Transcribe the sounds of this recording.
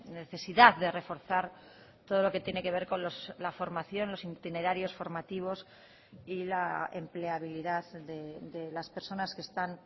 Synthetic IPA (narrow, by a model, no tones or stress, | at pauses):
ne̞θe̞siðaððe̞re̞fo̞ɾθaɾ | t̪o̞ð̞o̞lo̞ke̞t̪je̞ne̞ke̞β̞e̞ɾko̞nloslafo̞ɾmaθjo̞nlo̞sint̪ineɾaɾjo̞sfo̞ɾmat̪iβ̞o̞s | ilaḛmple̞aβ̞iliðaððed̪elaspe̞ɾso̞naskest̪an